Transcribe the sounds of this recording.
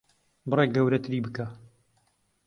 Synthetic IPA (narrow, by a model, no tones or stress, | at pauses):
bɨreːk̚ɡɐwɾɐt̪ʰɨɾiːbɨka